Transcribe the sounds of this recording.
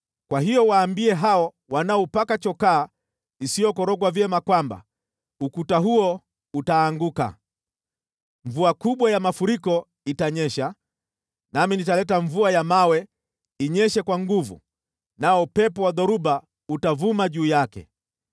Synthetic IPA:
kwaɦijɔwaːmbiɛɦaɔ | wanaɔpakat͡ʃɔkaː | isijɔkɔɾɔɡwavjɛmakwamba̰ | ukutaɦuɔ | utaːŋɡuka̰ | ɱvuakuɓwajamafuɾikɔ | itaɲɛʃa | naminitalɛtaɱvuajamawɛ | iɲɛʃɛkwaŋɡuvṵ | naɔpɛpɔwaðɔɾuba | utavumaʄuːjakɛ̰

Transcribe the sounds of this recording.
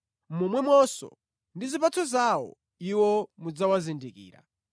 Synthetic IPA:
mumwɛmwɔsɔ̰ | ndizipatʰɔzawɔ̰ | iwɔmud͡zawazindikḭːɾa̰

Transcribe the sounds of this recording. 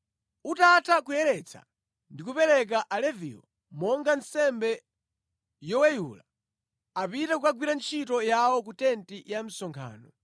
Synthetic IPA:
utatʰakujɛɾɛt͡sʰa̰ | ndik̬upɛɾɛk̬aʔalɛvḭːɔ | mɔŋɡansɛmbɛ | jɔwɛjṵla | apitakukaɡwiɾant͡ʃʰitɔjawɔkutɛntijam̩sɔŋkʰa̰ːnɔ

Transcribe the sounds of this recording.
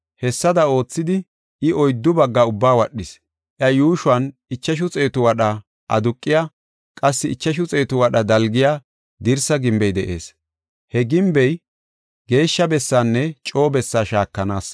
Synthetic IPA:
hɛsːɐd̪ɐo̞ːt͡sːɪd̪ɪ | ɪʔɔjd̪ːʊbɐɡːɐʊbːaːwɐɗːɪs | ʔjɐjuːʃʊɐnɪt͡ʃːɐʃ̬ʊt͡sʼeːt̪ʊwɐɗɐ | ʔɐd̪ʊkʼːɪjaː | kʼɐsːɪɪt͡ʃːɐʃ̬ʊt͡sʼe̞ːt̪ʊwɐɗɐd̪ɐlɡɪjaː | d̪ɪɾsɐɡɪmbɛjd̪ɛʔe̞̰ːs | hɛɡɪmbɛj | ɡe̞ːʃːɐbɛsːaːnːɛt͡ʃʼo̞ːbɛsːaːʃaːkːɐnaːs

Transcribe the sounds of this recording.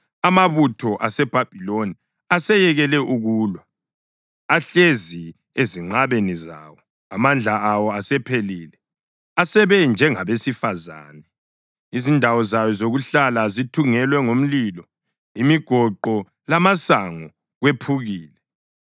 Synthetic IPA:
amaβutʰɔʔasɛb̥ʱab̥ʱiloni | asɛjɛɣɛlɛʔuɣuːlwɔ | aɬezi | eziŋ͡ǃaβeniza̰wɔ | amand͡ɮʱaawɔasɛpʰeliːlɛ | asɛβɛnd͡ʒʱɛŋaβesifaza̰ːnɛ | izindʱawɔzajɔzoɣuɬalazitʰuŋɛlwɛŋom̩lilɔ | imiɡ̥ʱɔǃɔ | lamasaŋɔ | ɣwepʰuɣiːlɛ

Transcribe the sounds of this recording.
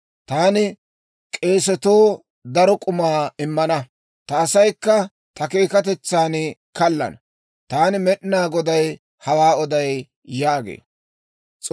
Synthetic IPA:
t̪aːnɪ | kʼe̞ːsɛt̪oː | d̪ɐɾɔkʼʊmaːɪmːɐnɐ | t̪ɐːsɐjkːɐ | t̪ɐkeːkɐt̪ɛt͡sːaːnkɐlːɐ̰nɐ | t̪aːnɪmɛɗnaːɡɔd̪ɐj | hɐwaːɔd̪ɐj | jaːɡḛː | t͡sʼ

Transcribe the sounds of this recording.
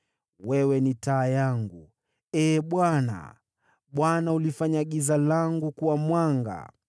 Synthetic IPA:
wɛwɛnitaːjaŋɡu | ɛːɓwana̰ | ɓwanaulifaɲaɠizalaŋɡukuwamwaŋɡa̰

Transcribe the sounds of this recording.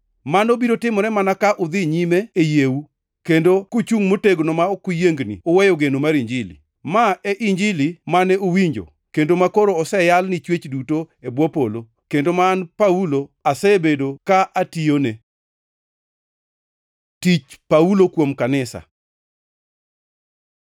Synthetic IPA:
manobiɾotɪmɔɾɛmanakaʔʊd̪ɪɲimeːjewu | kendokot͡ʃuŋmoteɡnɔmaokujeŋɡnḭɔwɛjɔɡenomaɾiɲd͡ʒilḭ | maeʔiɲd͡ʒilimanɛowiɲd͡ʒo̰ | kendomakoɾoːsɛjalnit͡ʃwet͡ʃdutoebwɔpolo | kendomanpauloasɛbedokaʔatione | tit͡ʃpaulokwomkanɪsa̰

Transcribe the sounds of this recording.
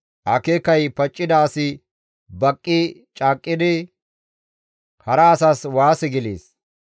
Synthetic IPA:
ʔɐ̰kekɐjpɐt͡ʃʼːɪd̪aːsɪ | bɐkʼːɪt͡ʃʼaːkʼːɪd̪ɪ | hɐɾɐːsaːswaːsɛɡɪlḛːs

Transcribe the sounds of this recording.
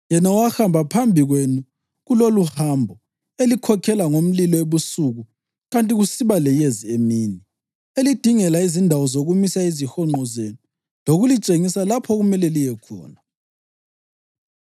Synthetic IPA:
jɛnawaxambʱapʰambʱiɣwenu | ɣuloluhambʱɔ | elikʰɔkʰɛlaŋom̩lilɔeβusuɣu | ɣantʼiɣusiβalɛjeziemiːni | elid̥ʱiŋɛlaizindʱawɔzoɣumisaizixɔŋ͡ǃʱɔzenu | loɣulit͡ʃʼeŋisalapʰɔɣumɛlɛlijɛkʰɔ̰ːna

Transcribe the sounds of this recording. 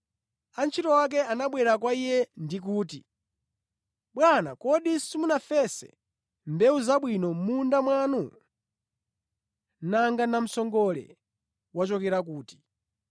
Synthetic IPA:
ant͡ʃʰitɔwak̬ɛanaɓwɛɾakwaijɛndik̬uːtḭ | ɓwana̰kɔɗisimunafɛsɛ̰ | mbɛuzaɓwinɔmundamwanu | naŋɡanam̩sɔŋɡɔlɛ̰ | wat͡ʃɔkɛɾak̬uːti̥

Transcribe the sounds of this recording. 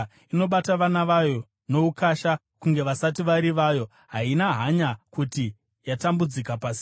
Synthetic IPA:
ino̞ɓataʋanaʋajo̞ | no̞ukaʃa | kuŋɡe̞ʋasatiʋaɾiʋaːjo̞ | ɦainaɦaɲakuti | jatambud͡zikapasi̥

